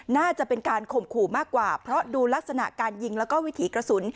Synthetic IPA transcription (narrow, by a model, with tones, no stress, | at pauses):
naː˥˩t͡ɕa˨˩pe˧nkaː˧nkʰo˨˩mkʰuː˨˩maː˥˩kːwaː˨˩pʰɾɔ˦˥duː˧la˦˥k̚sa˧na̰˨˩ʔkaː˧nji˧ŋlɛː˦˥wkɔː˥˩wi˦˥t̪ʰiː˩˦kɾa˧su˩˦n